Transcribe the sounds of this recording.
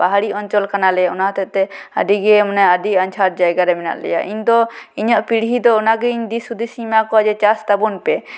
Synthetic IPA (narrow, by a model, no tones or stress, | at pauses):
baɦaɽiɔɲt͡ʃɔlkanalɛjaunaɦt̪ʰɛt̪ɛə̰ɖiɡɛmɔnɛəɖiaɲt͡ʃʰaɾ̚d͡ʒajɡaɾɛmɛna̰ʔlɛ̰ja̰ʔḭɲd̪ɔiɲɔʔpiɽɦid̪ɔʊnaɡɛiɲd̪isud̪isimakɔad͡ʒɛt͡ʃast̪abunpɛ